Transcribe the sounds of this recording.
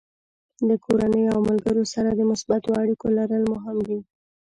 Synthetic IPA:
d̪əkʰoɾanəjoawmalɡəɾosaɾad̪əmʊsbat̪oaɽikolaɾəlmʊɦɪmd̪i

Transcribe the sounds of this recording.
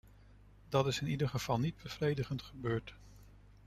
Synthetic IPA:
dɑtɪsɪnidəɹχəv̥ɑlˠnid̚bəv̥rejdəχəntχəbøːɹt

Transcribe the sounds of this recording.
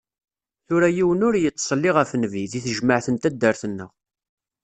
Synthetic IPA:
θʊɾæjiwənʊɾjət͡sˤːsˤəlːɪʁæfnːviðiθəʒməʕθənt̪æd̪ːəɾθənːə̰ʁ

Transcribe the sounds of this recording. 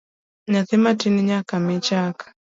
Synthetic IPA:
naθɛmatiniɲakamɛt͡ʃakḁ

